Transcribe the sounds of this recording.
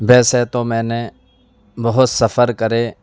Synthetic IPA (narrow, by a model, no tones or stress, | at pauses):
bɛːseːt̪oːmɛ̃ːne | bɐɦʊt̪səfʰəɾkəɾeː